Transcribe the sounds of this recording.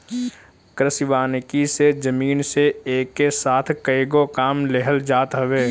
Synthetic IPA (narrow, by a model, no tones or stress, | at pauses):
kɾəsɪʋaːnɪkised͡ʒəmiːnseeːkːesaːt̪ʰkəeɡokaːmleɦəld͡ʒaːt̪ɦɐʋeː